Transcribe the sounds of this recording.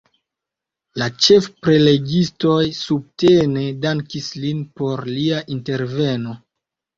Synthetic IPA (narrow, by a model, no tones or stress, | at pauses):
lat͡ʃe̞fpɾe̞le̞ɡisto̞jsub̚tene̞daŋkislinpo̞ɾliaʔinte̞ɾve̞no̞